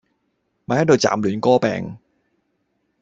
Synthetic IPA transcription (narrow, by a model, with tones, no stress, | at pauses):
maː˨˧˥hɐ˨˥jt̪o˧wt͡sa̰ː˨˩mlyː˨˩˦nkɔː˥pɛ̰ː˧ŋ